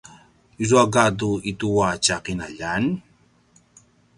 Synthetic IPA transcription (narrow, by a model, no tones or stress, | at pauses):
izuaɡaduit̪uwat͡ʃaqinaʎan